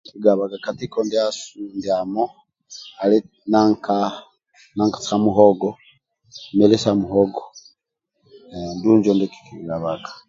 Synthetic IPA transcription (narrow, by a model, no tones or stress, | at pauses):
kiɡaβaɡakatikɔndiasundiamo | ali | naŋka | naŋkḁsamuɦɔɡɔ | melesamuɦɔɡo | nduɲd͡ʒondiki̥kiɡaβaɡḁ